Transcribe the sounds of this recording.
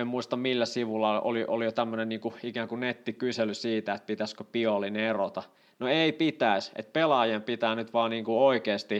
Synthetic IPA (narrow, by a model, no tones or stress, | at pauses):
emmuist̪ɑmmilːæsiʋulːɑo̰liʔolijot̪æmːønenniːŋkuikæːŋkunet̪ːikyselysiːt̪æet̪̚pit̪æskøpiolinerot̪ɑ | noeipit̪æˑisḛt̪̚pelɑjempit̪æːnyt̪ʋɑːniːŋkuoikeːst̪i